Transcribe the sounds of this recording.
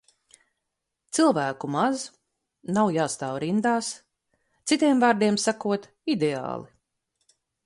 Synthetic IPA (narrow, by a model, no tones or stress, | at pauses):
t̪silˠvæːkumaz | nawjaːst̪aːwɾind̪aːs | t̪sit̪iɛmvaːɾd̪iɛmsakuɔt̪ | id̪ea̰ːlˠi